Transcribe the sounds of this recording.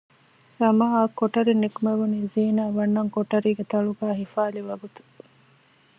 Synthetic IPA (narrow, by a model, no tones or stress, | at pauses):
sɐmaɦakːoʈɐɾinːikumeʋuniːziːnaːʋɐnːɐŋkoʈɐɾiːɡet̪ɐɭuɡaːɦifaːliʋɐɡut̪u̥